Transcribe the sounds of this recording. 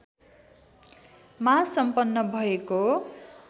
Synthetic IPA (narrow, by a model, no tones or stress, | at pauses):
masʌmpʌnːʌbʱʌeko